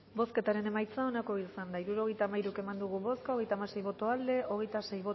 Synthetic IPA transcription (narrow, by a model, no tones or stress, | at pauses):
bo̞ske̞t̪aɾe̞ne̞majt͡sao̞nako̞ilsand̪aiɾuɾo̞ɣ̞e̞jt̪amaiɾuke̞mand̪uɣ̞uβo̞skao̞ɣejt̪amase̞jβo̞t̪o̞ald̪e̞o̞ɣ̞e̞jt̪ase̞jβo